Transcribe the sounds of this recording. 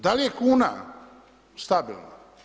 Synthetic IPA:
d̪alijekuːna̰ | st̪abḭlna̰

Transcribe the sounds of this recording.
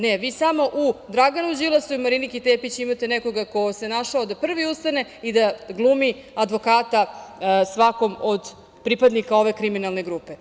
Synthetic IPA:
neʋiːsamoʔud̪ɾaɡanud͡ʑilˠasuimaɾinikit̪eːpit͡ɕimat̪e̞neko̞ɡako̞se̞naʃaod̪apr̩ʋiust̪ane̞id̪aɡlˠuːmiad̪ʋo̞kaːt̪asʋako̞mod̪ | pɾipad̪nikao̞ʋe̞kɾiminalˠne̞ɡɾuːpe̞

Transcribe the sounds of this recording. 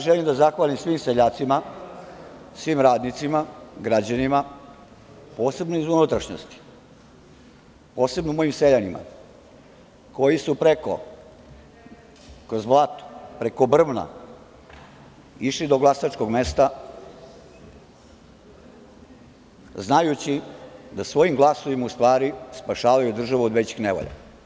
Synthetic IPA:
ʒelimd̪azaxʋalimsʋiːmseʎaːt̪sima | sʋiːmɾaːd̪nit̪simaɡɾad͡ʑanima | po̞ːse̞bnoizunut̪ɾaʃɲo̰st̪i̥ | po̞ːse̞bnomo̞jimseʎanima̰ | ko̞jisupɾe̞ko̞̰ | kɾozvlˠat̪u̥pɾe̞kobr̩ʋna̰ | iʃlid̪o̞ɡlˠasat͡ʃko̞ɡmest̪a | znajut͡ɕid̪asʋo̞jimɡlˠaso̞ʋimaust̪ʋaːɾispaʃaːʋajud̪r̩ʒaʋuod̪ʋet͡ɕi̥xneʋo̰ʎa̰

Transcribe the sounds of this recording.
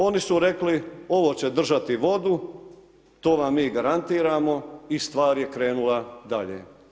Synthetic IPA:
o̞nisuɾe̞klio̞ʋo̞ːt͡ɕe̞d̪r̩ʒat̪iʋo̞d̪u | t̪o̞ːʋamːiːɡaɾant̪iːɾaːmo̞ist̪ʋaːɾjekɾe̞ːnulˠad̪aʎḛː

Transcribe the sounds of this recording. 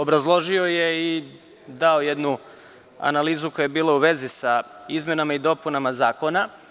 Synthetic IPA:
obɾazlˠo̞ʒio̞jei | d̪ao̞jed̪nu | a̰naliːzukojuebiːlauʋe̞zisaizme̞namaid̪o̞punamazaːko̞na

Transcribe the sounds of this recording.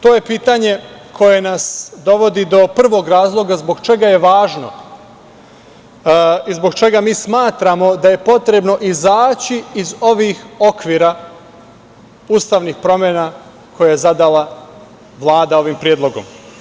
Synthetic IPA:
t̪o̞ːje̞piːt̪aɲe̞kʰo̞je̞nasd̪o̞ʋo̞d̪id̪o̞pr̩ʋo̞ɡɾaːzlˠo̞ɡazbo̞ɡt͡ʃe̞ɡajeʋaːʒno̞̰ | izboɡt͡ʃe̞ɡamiːsmaːt̪ɾamo̞d̪aje̞po̞t̪ɾe̞bno̞ʔizaːt͡ɕiːzo̞ʋixo̞kʋiːɾa | uːst̪aʋnixpɾo̞mjena | kʰo̞jajezad̪alˠa | ʋlˠaːd̪ao̞ʋimpɾijed̪lo̞ɡom

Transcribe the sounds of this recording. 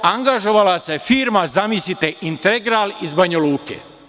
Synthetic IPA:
aŋɡaʒo̞ʋalase̞fiːɾmazamisit̪eʔint̪eɡɾalizbaɲaluːkḛ

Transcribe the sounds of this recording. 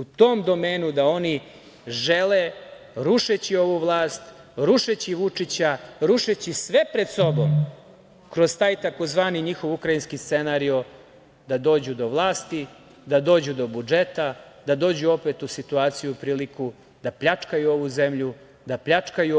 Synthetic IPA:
ut̪o̞ːmd̪o̞meːnud̪ao̞ni | ʒele̞ɾuʃet͡ɕio̞ʋuʋlˠaːst̪ | ɾuʃet͡ɕiʋut͡ʂit͡ɕaɾuʃet͡ɕisʋepɾe̞d̪so̞bo̞m | kɾo̞zt̪aːjt̪ako̞zʋaːniɲixo̞ʋukɾajinskist̪senaːɾio̞ | d̪ad̪o̞ːd͡ʑud̪o̞ʋlˠaːst̪i | d̪ad̪o̞ːd͡ʑud̪o̞bud͡ʒe̞t̪ad̪ad̪o̞ːd͡ʑuo̞pet̪usit̪uaːt̪sijuupɾiːliku | d̪apʎat͡ʂkajuo̞ʋuze̞mʎu | d̪apʎat͡ʂkaju

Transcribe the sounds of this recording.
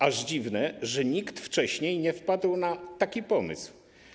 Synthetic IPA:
aʐd͡ʑivnɛʐɛɲikt̪ft͡ʂɛɕɲejɲɛfpad̪wnat̪akʲipɔmɨ̰sw

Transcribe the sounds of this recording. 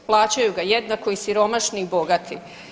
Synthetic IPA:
plˠaːt͡ɕajuɡajed̪nako̞isiɾo̞maʃniːbo̞ɡat̪ʰi

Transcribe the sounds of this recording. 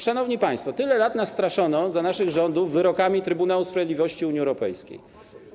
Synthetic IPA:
ʂanɔvɲipaj̃st̪fɔt̪ɘlɛlat̪nast̪ɾaʂɔnɔzanaʂɘɣʐɔnd̪uvːɘɾɔkamʲit̪ɾɘbunawuspɾavʲjd̪ʲivɔɕt͡ɕiuɲiɛwɾɔpɛjskʲḛj

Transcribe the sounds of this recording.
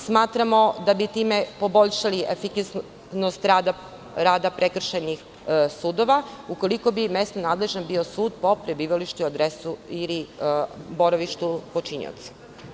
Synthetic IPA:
smaːt̪ɾamo̞d̪abit̪iːmepo̞bo̞ʎʃaliʔefikas | nost̪ɾad̪a | ɾaːd̪apɾʔekr̩ʃanix | suːd̪o̞ʋaukoliko̞bime̞st̪nonaːd̪le̞ʒnanbiosuːd̪̚po̞pɾebiːʋaliʃt̪uad̪ɾesuili | bo̞ɾaʋiʃt̪upo̞t͡ʃiɲḭo̰t̪sḁ

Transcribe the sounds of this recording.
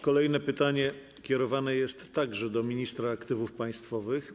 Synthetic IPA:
kɔlɛjnɛpɘt̪aɲɛ | kʲɛɾɔvanɛjɛst̪ːaɡʐɛd̪ɔmʲiɲist̪ɾaːkt̪ɘvufpaj̃st̪fɔvɘx

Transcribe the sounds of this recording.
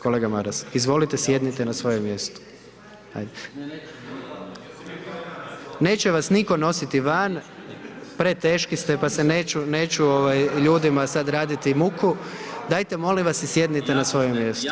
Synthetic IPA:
kole̞ːɡamaɾasizʋo̞lit̪esje̞d̪nit̪enasʋo̞jemːje̞st̪u̥ | ha̰jd̪e | ne̞ːt͡ɕɛʋasniko̞no̞sit̪iʋan | pɾe̞t̪e̞ːʃkist̪epaseneːt͡ʃune̞ːt͡ʃuoʋajʎuːd̪imasad̪ɾaːd̪it̪imukʰud̪aːjt̪e̞mo̞liʋasisje̞d̪nit̪enasʋo̞jemːje̞st̪u

